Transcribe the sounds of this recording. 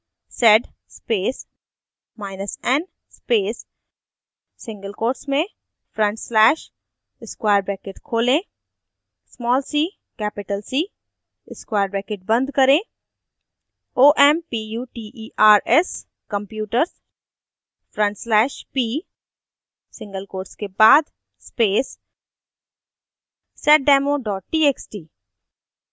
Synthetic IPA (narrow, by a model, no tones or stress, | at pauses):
sɛɖ | speːs | maːɪnəsɛ̃n | speːs | sɪ̃ŋɡəlkoːɾʈsmẽ | fʰɾə̃ɳʈslɛːʃ | ɪskwaːəɾbɾɛːkeʈkʰoːlẽ | smɔːlsiː | kɛːpɪʈəlsiː | ɪskwaːɾbɾɛːkeʈ̚bɐ̃nd̪ʱkɐɾẽː | oːʔɛːmpijuːʈiːʔiːʔaːɾɛs | kə̃mpjuːʈəɾz | fʰɾə̃ɳʈslɛːʃpiː | sɪ̃ŋɡəlkoːɾskebaːd̪ | speːs | sɛːʈ̚ɖɛːmoɖɔːʈ̚ʈiːeːksʈiː